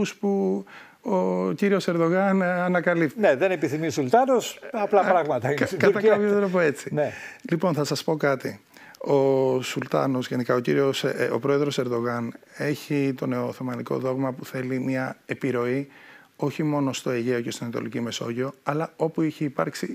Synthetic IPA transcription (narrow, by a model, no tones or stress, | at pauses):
uspu | ociɾio̞se̞ɾðo̞ɣɐnɐnɐkɐlipneðenepiθimisult̪ɐnosɐplɐpɾɐɣmɐt̪ɐikɐɐkɐpçot̪ɾopoe̞t͡sinelipo̞nθɐsɐspo̞kɐt̪i | o̞sult̪ɐ̰no̞zʝenikɐociɾio̞so̰pɾo̞e̞ðɾo̞se̞ɾðo̞ɣɐne̞çit̪o̞ne̞oθemɐniko̞̰ðo̞ɣmɐpuθe̞limiɐe̞piɾo̞i | o̞çimo̞no̞st̪o̞eʝe̞o̞cest̪inɐnɐt̪o̞licime̞so̞ʝio̞ɐlɐo̞puiçeipɐ̰ɾksi